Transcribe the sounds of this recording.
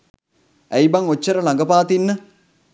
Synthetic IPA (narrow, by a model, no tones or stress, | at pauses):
æjbaŋot͡ʃːəɾəlaŋɡəpaːt̪inːə